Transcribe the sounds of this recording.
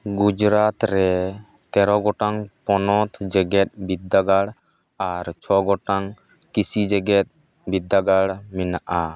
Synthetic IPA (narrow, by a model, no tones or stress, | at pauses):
ɡud͡ʒɾat̪ɾɛ | t̪ɛɾɔɡɔʈaŋpɔnɔt̪ʰd͡ʒɛɡɛt̪̚bid̪ːaɡaɽ | aɾt͡ʃʰɔɡɔʈaŋ | kisid͡ʒɛɡɛt̪̚ | bid̪ːaɡaɽminaʔa